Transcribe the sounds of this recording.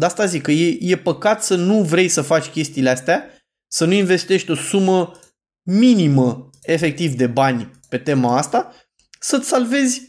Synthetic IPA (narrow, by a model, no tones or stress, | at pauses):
d̪ast̪azikəjeje̞pəkat̪sənuvɾe̞jsəfat͡ʃʲkʲe̞st̪iːleast̪ea | sənuinve̞st̪e̞ʃt̪ʲo̞sumə | minimə | e̞fe̞k̚t̪ivd̪e̞banʲpe̞t̪e̞maast̪a | sət̪ʲsalve̞zʲ